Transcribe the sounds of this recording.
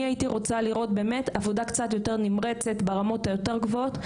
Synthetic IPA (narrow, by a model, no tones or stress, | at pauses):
iaitiʁo̞t͡saliʁo̞t̚be̞ːmetavodakt͡sat̪jo̞te̞ʁnimʁet͡se̞t̪beʁamo̞tajo̞teʁ̞ɡvoot